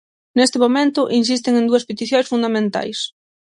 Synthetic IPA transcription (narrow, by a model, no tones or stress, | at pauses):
nest̪ɪmomẽnt̪ʊʔins̬ist̪eŋẽnd̪uɐspet̪iθjõjsfund̪amẽnt̪a̰js